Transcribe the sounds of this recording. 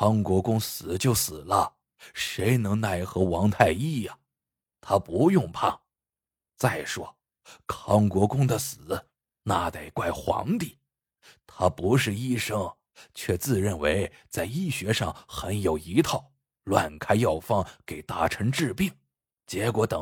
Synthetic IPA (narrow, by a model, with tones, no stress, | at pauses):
kʰɑ˧˥ŋkwɔ˧˥kʊ˥ŋsɹ̩˨˩˦t͡ɕjo˥˩ʊsɹ̩˨˩lə˦ | ʂe˧˥ɪnɤ˧˥ŋna˥˩˥xɤ˧˥wɑ˧˥ŋt̪ʰa˥˧ɪi˥˩jɐ˩ | t̪ʰa˥pu˧˥jʊ˥˧ŋpʰɑ˥˩ŋ | t͡sa˥˩ɪʂwɔ˥ | kʰɑ˥ŋkwɔ˧˥kʊ˥ŋd̪ə˨sɹ̩˨˩˦ | na˥˧t̪a˥˩ɪkwa˥˩ɪxwɑ̰˧˥ŋt̪i˥˩˦ | t̪ʰa˥pu˧˥ʂɻ̩˥˧i˥˩ʂɤ˥ŋ | t͡ɕʰɥɛ˥˧t͡sɹ̩˥˧ɻə˥˩nwe˧˥ɪt͡sa˥˧ɪi˥˩ɕɥɛ˧˥ʂɑ˥˩ŋxə˧˥njo˨˩ʊi˧˥t̪ʰɑ˥˩ʊ | lwa˥˩nkʰa˥ɪjɑ˥˩ʊfɑ˥˩ŋke˨˩ɪt̪a˧˥ʈ͡ʂʰɤ˧˥ŋʈ͡ʂɻ̩˥˧pi˥˩ŋ | t͡ɕjɛ˧˥kwɔ˧˥t̪ɤ˨˩